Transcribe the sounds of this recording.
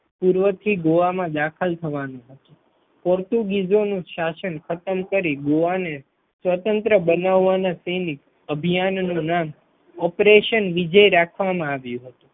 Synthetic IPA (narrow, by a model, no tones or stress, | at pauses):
puɾʋət̪ʰiɡoʋamãd̪akʰəlt̪ʰəʋanũɦət̪ũ | pɔɾt̪uɡizonũʃasənkʰət̪əmkəɾiɡoʋane | sʋət̪ənt̪ɾəbənaʋːanasenik | əbʱijannũnam | ɔpɾeʃənʋid͡ʒəjɾakʰʋamãaʋjũɦət̪ũ